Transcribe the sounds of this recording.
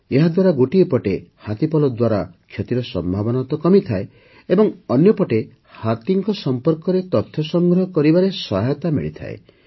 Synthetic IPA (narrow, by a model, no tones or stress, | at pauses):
eɦad̪waɾaɡoʈiepɔʈehat̪ipɔlɔd̪waɾa̰kʰjot̪iɾɔsɔmbʱabɔnat̪ɔkɔmit̪ʰae | ebɔŋɔnjɔpɔʈe | hat̪iŋkɔsɔmpɔɾkɔɾet̪ɔt̪ʰjɔsɔŋɡɾɔɦɔkɔɾibaɾesɔɦjɔt̪amḭɭit̪ʰa̰ḛ